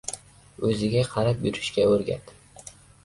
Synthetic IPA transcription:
ɵzɪɡʲaqʰɑɾapjʊɾɪʃkʲaɵɾɡʲa̰t̪

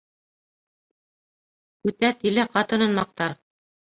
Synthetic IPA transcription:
ʉt̪æt̪ilæqɑt̪ɤ̆nɤ̆nmɑq̚t̪ɑɾ

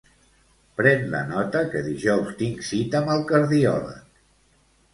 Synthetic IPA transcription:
pɾɛnlə̰nɔt̪əkəðiʒɔwst̪iŋsit̪əməlˠkəɾðiɔlə̰k

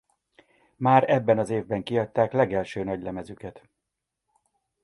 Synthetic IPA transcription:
maːɾɛbːɛnɒzeːvbɛŋkiɒc̚t̪aːklɛɡɛlʃøːnɒɟlɛmɛzykɛt̪

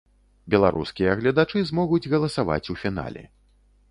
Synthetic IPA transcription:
bʲɛlˠa̰ɾʔuskʲijɐɣlʲɐd̪at͡ʂɨzmɔɣud͡zʲɣɐlˠɐsava̰t͡sʲufʲina̰lʲɛ̰

